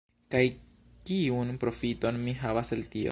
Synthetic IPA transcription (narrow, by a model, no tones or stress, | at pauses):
kaj | kiunpɾo̞fito̞nmiɦavaseltio̰